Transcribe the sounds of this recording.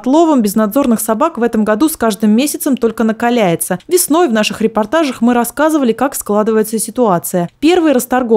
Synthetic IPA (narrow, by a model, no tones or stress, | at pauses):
t̪lˠo̞vəmbʲɪznɐd̪zo̞rnɨxsɐbakvɛt̪əmɡɐd̪uskaʐd̪ɨmːʲesʲɪt̪səmt̪o̞lʲkənəkalʲæjɪt̪səvʲɪsno̞jvnaʂɨxɾʲɪpɐrt̪aʐəxmɨɾɐskazɨvəlʲɪkaksklˠad̪ɨvəjɪt̪səsʲɪt̪ʊat̪sɨjəpʲe̞rvɨjɾəst̪ɐrɡo